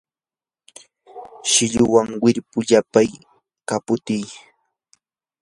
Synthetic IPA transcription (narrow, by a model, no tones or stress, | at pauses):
ʃɪʎʊwaŋwɪɾpʊʎapaj | kapʊt̪ɪj